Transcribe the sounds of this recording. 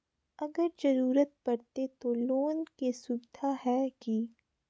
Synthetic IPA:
ɐɡəɾd͡ʒɐɾuːɾət̪̚pɐɾt̪et̪oloːnkesʊbd̪ʰʱaɦɛki

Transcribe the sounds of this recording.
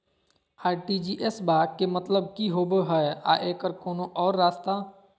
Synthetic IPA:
aːɾʈid͡ʒiːʔesbaːkkːemət̪ləb̚kiɦobəɦəea̰ʔeːkəɾkoːnõʔɔːɾːaːst̪a

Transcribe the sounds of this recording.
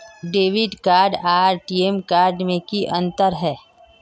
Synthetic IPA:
ɖeːʋɪɖkaːɾɖaːɾʈiemkaːɾɖmẽkiʔɐ̃nt̪əɾɦɛː

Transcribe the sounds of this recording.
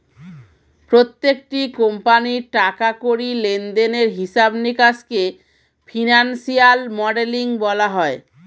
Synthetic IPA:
pɾot̪ːekʈikompaniʈakakoɾilend̪eneɾɦiʃabnikaske | fʰinansialmɔɖeliŋbɔlaɦɔe

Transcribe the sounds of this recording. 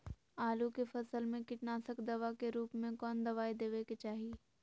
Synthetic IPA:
aːlukefɐsəlmẽkɪʈnaːsəkd̪ɐʋakeɾuːpmẽkɔːnd̪ɐʋaːed̪eːʋeket͡ʃaːɦie

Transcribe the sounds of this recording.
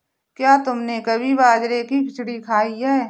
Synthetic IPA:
kjaːt̪ʊmnekɐbʱibaːd͡ʒɾekipʰɪt͡ʃʰɽikʰaːiɛ

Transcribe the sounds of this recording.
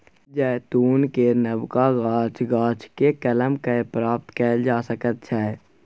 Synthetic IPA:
d͡ʒɛːt̪uːnkenəbkaɡaːt͡ʃɡaːt͡ʃʰkekələmkaepɾaːp̚t̪kɛːld͡ʒaːsəkət̪̚t͡ʃʰɛː

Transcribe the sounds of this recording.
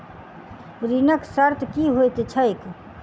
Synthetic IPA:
ɾinəksəɾt̪ʰkiɦojt̪t͡ʃʰəek

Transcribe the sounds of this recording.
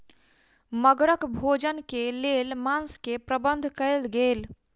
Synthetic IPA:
məɡɽəkbʱoːd͡ʒənkeleːlmãːnskepɾəbə̃nd̪ʱkəlɡeːl

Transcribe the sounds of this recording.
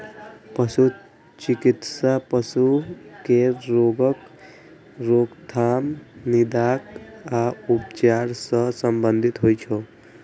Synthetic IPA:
pəsu | t͡ʃikit̪sapəsukeɾoɡək | ɾoɡt̪ʰamnid̪akaupt͡ʃaɾsə̃səmbənd̪ʱit̪ɦojt͡ʃʰo

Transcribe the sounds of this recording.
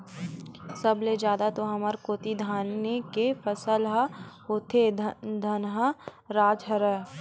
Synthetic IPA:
sɐbled͡ʒjaːd̪at̪oɦɐməɾkoːt̪id̪ʱaːnːekefɐsəlɦaɦoːt̪ʰed̪ʱɐnɦə | ɾaːd͡ʒɦəɾə

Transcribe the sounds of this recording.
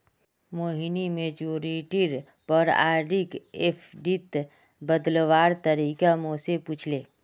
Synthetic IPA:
moːɦinimed͡ʒoːɾiʈiɾ | pɔɾa̰ːɾɖikepʰɖit̪ | bəd̪lwaːɾt̪əɾiːkamosepuːt͡ʃʰleː

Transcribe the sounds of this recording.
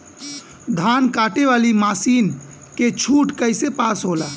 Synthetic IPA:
d̪ʱankaʈeʋalimasin | ket͡ʃʰuʈkəɪsepasɦola

